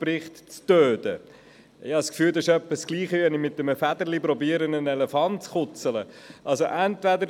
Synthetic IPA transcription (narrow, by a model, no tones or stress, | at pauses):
pɾɪχt̪t͡støːdə | ɪhɑskfyːld̪ɑʃœpːəskliːχəɛnɪmɪt̪̚ːəməfæd̪əɾlipɾɔbiːəɾənənɛlɛfɑntt͡sχʊt͡sələʔɑlsoʔænt̪vædəɾ